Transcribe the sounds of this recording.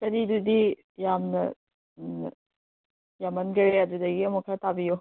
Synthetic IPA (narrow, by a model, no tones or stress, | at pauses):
kɐɾidudi | jamnɐ | jamɐnɡɐɾeɐdudɐɡiɐmɔkʰaɾtabijo